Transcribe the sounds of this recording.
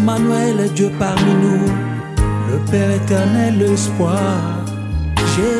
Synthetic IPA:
mãnuɛld̪əpaʁminũ | ləpɛʁet̪ɛʁnɛlːəspwaʁ | ʒe

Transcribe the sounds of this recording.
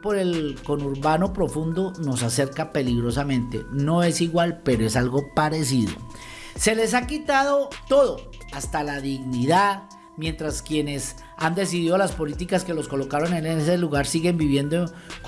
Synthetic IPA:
po̞ɾe̞lko̞nuɾβanopɾo̞fund̪o̞no̞sase̞ɾkape̞liɣɾo̞samẽnt̪e̞̰no̞e̞siɣwalpeɾo̞e̞salɣo̞paɾe̞siðo̞̰ | se̞le̞s̬akit̪aðo̞t̪o̞ðo̞ | ast̪alaðiɣniðað | mje̞nt̪ɾaskje̞ne̞s | and̪e̞s̬iðiðo̞laspo̞lit̪̬ikaske̞lo̞sko̞lo̞kaɾo̞ne̞nese̞luɣaɾsiɣe̞mbiβje̞nd̪o

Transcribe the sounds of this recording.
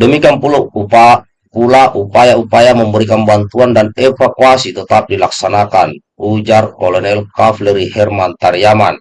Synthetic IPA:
dɔmikianpuluupa | pulaʔupajaupajaməmbəɾikanbant̪uandanɛfakuasit̪ɔt̪ap̚dilak̚sanakan | ud͡ʒarkɔlɔnɛlkaflɛɾihɛrmant̪arjaman

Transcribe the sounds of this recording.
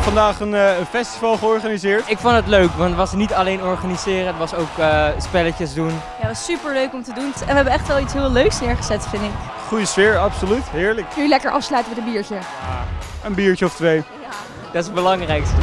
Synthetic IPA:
fɑndaːχənənfɛstivɑlˠχəɔɹχanizɪːɹtɪkfondətløɥkʋɑntʋɑsnitɑlejnɔɹχanizɪːrəətʋɑsowkəspɛləcəsdunjatɑsypəɹløɥkɔmtədunɛnʋəɦɛbəɛχtʋɛlˠitsɦɪːlˠøɥksnɪːɹχəzɛtfɪndɪk | χujəsfɪːɹɑpsolytɦɪːɹləknylɛkəɹʔɑ̰fslœɥtənʋədəbiːɹcə | aənbiːɹcəɔftʋej | dɑtɪsənbəlɑŋrɛjkstə

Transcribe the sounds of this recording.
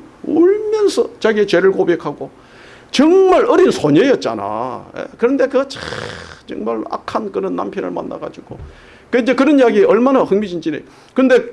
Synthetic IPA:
oɭmjʌnsʰʌt͡ɕaɡiet͡ɕeɾɯɭkobe̞kʰaɡo | t͡ɕʌŋmaɾɯɾinsʰoɲejʌt̚t͡ɕ͈a̰na̰jḛkɯɾʌnde̞kɯat͡ɕʰat͡ɕʌ̰ŋmaɭa̰kʰankɯɾʌnːa̰mpʰjʌnɯ̰ɭma̰nːa̰ɡa̰d͡ʑuɡ̥o | kɯind͡ʑe̞kɯɾʌnjaɡiʌɭmanahɯŋmid͡ʑind͡ʑine | kɯnde̞

